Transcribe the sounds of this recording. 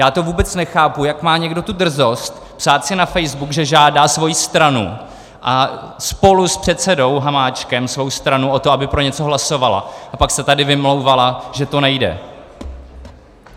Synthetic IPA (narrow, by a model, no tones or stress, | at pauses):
jaːt̪o̞vuːbɛt͡snɛxaːpujakmaːɲɛɡdo̞t̪ud̪r̩zo̞st̪ | psaːt̪sɪnafɛjzbukʒɛʒaːdaːsvo̞jist̪ɾanṵ | ʔaspo̞luspr̥ɛt̪sɛdo̞wɦamaːt͡ʃkɛmsvo̞wst̪ɾanuʔo̞t̪oabɪpɾo̞ɲɛt͡so̞ɦlaso̞vala̰ʔapaksɛt̪adɪvɪmlo̞wvalaʒɛt̪o̞nɛjdɛ̰